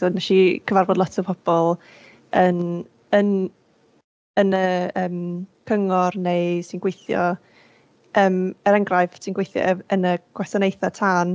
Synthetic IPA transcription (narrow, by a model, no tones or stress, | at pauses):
soːdnaʃikʰəvarbɔdˡlɔtʰəpʰɔb̥ɔlˠ | ən | ən | ənəəːmkʰəŋɔrnejsɪnɡwejθjɔ̰ | əːməɾɛŋɡrajvtʰinɡwejθjɔ̰ʔəənəɡ̥wɛsɔnejθatʰaːn